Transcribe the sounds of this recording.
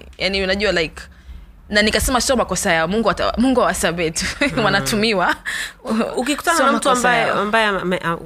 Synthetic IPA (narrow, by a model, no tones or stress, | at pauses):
janiunaʄualajk | nanikasɛmasiɔmakɔsajaɔmuŋɡuata̰muŋɡuhawasabɛtuwanatumiwa | ukikutanaɔamaktɔabajɛambajɛamɛʔa